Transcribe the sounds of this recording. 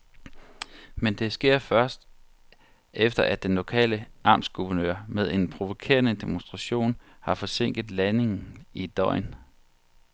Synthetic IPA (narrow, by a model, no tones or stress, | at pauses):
mend̥e̝sɡ̥e̝ɐ̰fɶɐsd̥ | ʔefd̥ɐʔæ̥enlo̝kʰɛ̰ːləʔɑ̈ːmsɡ̥uʋɐnø̰ɐ̰með̞ˠe̝npʰʁo̝ʋo̝kʰe̝̰ːɐnəd̥e̝monsd̥ʁɑ̈ɕo̝̰ːn | hɑ̈fɒ̽se̝ŋ̰ɡ̥ð̩ˠlæne̝ŋn̩id̥ɒ̽ɪ̰n